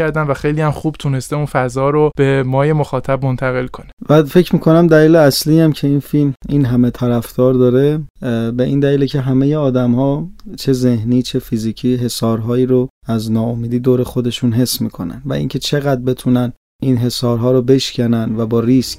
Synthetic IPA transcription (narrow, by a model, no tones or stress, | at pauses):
æɾd̪ænvæxejlijæmxuːb̥t̪ʰune̞st̪eunfæzɒːɾob̥e̞mɒːje̞moxɒːt̪ʰæbmo̞nt̪ʰæɣe̞lkʰo̞nevæfe̞cʰmiːkʰo̞næmd̪æliːleæsliːjæmcʰe̞infilminɦæme̞t̪ʰæɾæfd̪̥ɒːɾd̪ɒːɾe̞be̞ʔiːnd̪æliːlecʰe̞ɦæmejeɒːd̪æmhɒːt͡ʃʰe̞ze̞hniːt͡ʃʰe̞fiziːcʰiːɦe̞sɒːɾɦɒːiːɾo | æznɒːomiːd̪iːd̪oːɾe̞xo̞d̪e̞ʃunɦe̞sːmḭːkʰo̞̰næ̰nvæ̰ʔḭːŋcʰe̞t͡ʃʰe̞ɣæd̪̚be̞t̪ʰunæn | inɦe̞sɒːɾɦɒːɾobe̞ʃcʰænænvæbɒːɾisc